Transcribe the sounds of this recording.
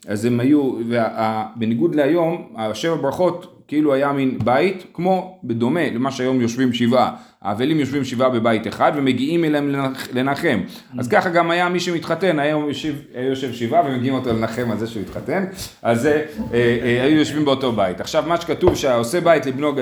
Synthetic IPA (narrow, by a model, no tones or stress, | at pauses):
azemajuveʔabeniɡudleajo̞maʃe̞vabʁaχo̞tkiiluajaminbaitkmo̞bed̪o̞me̞lemaʃeajo̞mjo̞ʃvimʃivʔa | a̰ːvelimjo̞ʃvimʃivabe̞baiteχad̪ve̞me̞ɡiimeleemele̞naχe̞m | azkaχaɡamajamiʃemitχate̞najomjoʃevajujoʃevʃivavemeɡiimo̞tolenaχe̞malzeʃemitχate̞n | azeeajujo̞ʃvimbeo̞to̞baitaχʃavmaʃe̥katuvʃeaaose̞baitlibno̞ɡ